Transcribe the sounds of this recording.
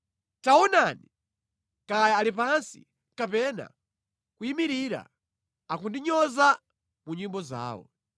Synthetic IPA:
tawɔnani | kajaːlipansḭ | kapɛna̰ | kuimiɾiɾa̰ | akundiɲɔza | muɲimbɔza̰ːwɔ̰

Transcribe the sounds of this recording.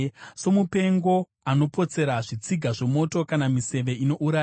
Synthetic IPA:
so̞mupe̞ŋɡo̞ | ano̞po̞t͡se̞ɾaʐit͡siɡʱaʐe̞mo̞to̞kanamise̞ʋe̞ino̞ʔuɾa

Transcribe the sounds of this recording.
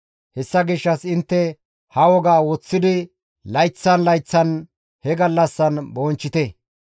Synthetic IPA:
hɛsːɐɡɪʃːɐsɪnt̪ːɛ | hɐwɔɡaːwɔt͡sːɪd̪ɪ | lɐjt͡sːɐnlɐjt͡sːɐn | hɛɡɐlːɐsːɐnbɔnt͡ʃːɪt̪ɛ

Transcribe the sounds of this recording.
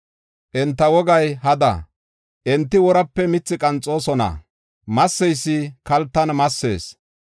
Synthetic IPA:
ʔɛnt̪ːɐwɔɡɐjɦɐd̪ɐ̰ | ʔɛnt̪ːɪwɔɾɐpːɛmɪt͡sːɪkʼɐnt͡sʼːoːsɔnɐ̰ | mɐsːɛjsːɪkɐlt̪ːɐnmɐsːe̞̰ːs

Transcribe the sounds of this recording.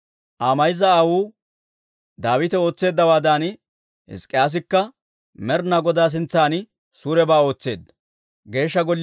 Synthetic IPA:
ʔaːmɐjɪzɐːwuː | d̪aːwɪt̪ɛo̞ːt͡sːe̞ːd̪ːɐwaːd̪aːn | hɪ̰skʼːɪjaːs̬ɪkːɐ | mɛɾnɐɡɔd̪aːs̬ɪnt͡sːaːnɪ | suːɾɛbaːo̞ːt͡sːe̞̰ːd̪ːɐ̥ | ɡe̞ːʃːɐɡɔlː

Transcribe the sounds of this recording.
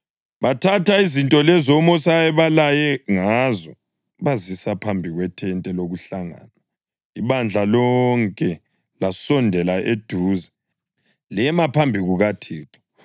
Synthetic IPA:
βatʰatʰaizintʼɔlɛzɔmɔsaɛβalajɛŋazɔ | βazisapʰambʱiɣwɛtʰɛntʼɛloɣuɬaŋa̰ːnwa | iβand͡ɮʱalɔŋkʼɛ | lasɔndʱɛlaʔed̥ʱuːza | lɛmapʰambʱiɣuɣatʰiːtʰɔ̥

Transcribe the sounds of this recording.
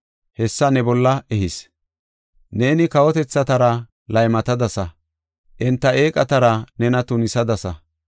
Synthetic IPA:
hɛsːɐnɛbɔlːɐɛɦɪs | ne̞ːnɪkɐwɔt̪ɛt͡sːɐt̪ɐɾɐ | lɐjmɐt̪ɐd̪ɐsɐ | ʔɪnt̪ːɐeːkʼɐt̪ɐɾɐnɛnɐt̪ʊnɪsɐd̪ɐsɐ

